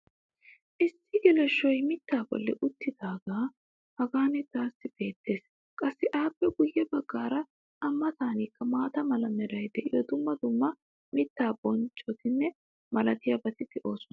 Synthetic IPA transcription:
ʔɪsːɪɡɪlɛʃːɔjmɪt̪ːaːbɔ̰lːɛ̰ʔʊt̪ːɪd̪aːɡaː | hɐɡaːnɪt̪aːsːɪb̥e̞ːt̪ʰːe̞ːs | kʼɐsːɪʔaːpːɛɡʊjːɛbɐɡːaːɾɐ | ʔɐmːɐt̪aːniːkːɐmaːt̪ɐmɐlɐmɛɾɐjd̪ɛʔɪjɔd̪ʊmːɐd̪ʊmːɐ | mɪt̪ːaːbɔnt͡ʃʼːɔt̪ɪnːɛ | mɐlɐt̪ɪjɐbɐt̪ɪt̪ɪʔo̞ːsʊn

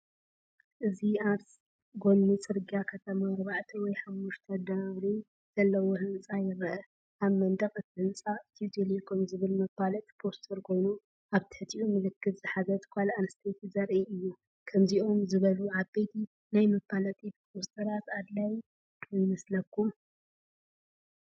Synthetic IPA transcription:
ʔɨziaɾs | ɡo̞lmit͡sʼɨɾɡiakʰɐt̪ʰɐmamɐɾbaʕt̪ʰiwɔjħawʊʃt̪ʰɐd̪aɾi | z̥ɐlːɐwohɨnsʼajɪɾɐʔɐ | ʔaβmɐnd̪ɐχʼɨt̪ʰɨhɨnsʼat̪ʰiut̪ʰelikʰomzɨβɨlmɐbalɐt̪ʼpʰost̪ʰɐɾkʰo̞jnu | ʔaβt̪ʰɨ̥ħɨt̪ʰiʔumɨlɨkːɨt̪ʼz̥ɨħazɐt̪kʷʰalanɨst̪ʰet̪izɐɾʔeʔɨjːu | kʰɐmzio̞mzɨβɐluʕaβbet̪ʰi | najmɐbalɐt̪ʼʰipʰost̪ʰɐɾat̪ad̪laj | wɔjmɐslɐkʰːum

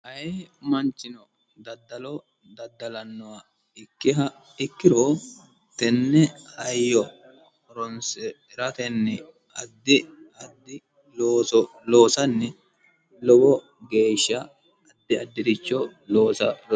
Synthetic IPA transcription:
hɐjeːmɐnt͡ʃːɪnɔ | d̪ɐd̪ːɐlɔ | d̪ɐd̪ːɐlɐnːɔwɐ | ɪkːɪɦɐ | ɪkːɪɾoː | t̪ɛnːɛhɐjːɔ | ɾɔnsɛ | ɪɾɐt̪ɛnːɛ | ɐd̪ːɪɐd̪ːɪ | loːsɔ | loːsɐnːɛ | lɔɡɔ | ɡe̞ːʃːɐː | d̪ːɪɐd̪ːɪd̪ɪt͡ʃːɔloːsɐ

